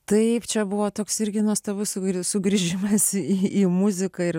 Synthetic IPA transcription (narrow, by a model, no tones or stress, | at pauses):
t̪ɐɪpt͡ʃʲɛbʊʋoːt̪oːksɪɾʲɡʲɪnuɔst̪obʊsʊɡsʊɡɾʲiʒʲɪmɐsiiːmʊzʲɪkɐɪr